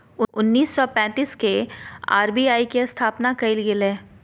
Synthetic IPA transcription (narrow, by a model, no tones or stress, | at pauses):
ʊʊnːiːsːɔpɛ̃ːt̪iːskea̰ːɾbiːaːikeɐst̪ʰaːpnakɐɪlɡɪleː